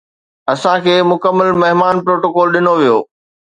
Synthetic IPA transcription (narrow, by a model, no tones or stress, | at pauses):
ɐsãkʰeːmʊkəmːəlmɐɦɪmaːnpɾoːʈoːkɔːlɗɪnoʋijoː